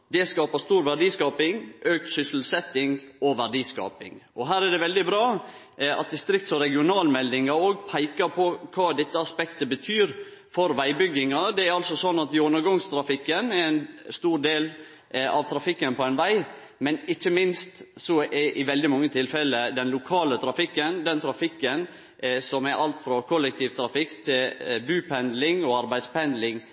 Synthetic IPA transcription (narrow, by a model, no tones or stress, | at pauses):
d̪ɛskɑːpəst̪uːɾʋæɖiːskɑːpɪŋʔøːksʏsl̩sɛt̪ːɪŋɔʋæɖiːskɑ̰ːpɪ̰ŋɔɦæːɾɛɖ̪ɛʋɛld̪ɪbɾɑː | ɑ̰t̪̚d̪ɪst̪ɾɪkt̪sɔɾɛɡɪʊnɑːlmɛld̪ɪŋɑoːɡpʰæɪkɑɾpʰɔkʰɑːd̪ɛt̪ːəɑspɛkt̪əbət̪ʰyːɾ | fɔɾʋæɪbʏɡːɪŋɑd̪ɛæɾɑlsɔsɔnːɑt̪ɪʊnːəɾɡɔŋst̪ʰɾɑfɪkːənɛɾæɪnst̪uːɾd̪eːl | ɑ̰ʋt̪ʰɾɑfɪkːənpɔɛnʋæɪ | mɛnɪçːəmɪnst̪sɔʔɛʔɪʋɛld̪ɪmɑŋːət̪ʰɪlfɛləd̪ɛnlʊkʰɑːlət̪ʰɾɑfɪkːənd̪ɛnt̪ʰɾɑfɪkːən | sɔmɛɾʔɑlt̪fɾɑkʰɔlːɛk̚t̪ʰiːʋt̪ʰɾɑfɪkt̪ʰɪlbʉːpʰɛnd̪lɪŋɔɑɾbæɪd̪spɛnd̪lɪŋ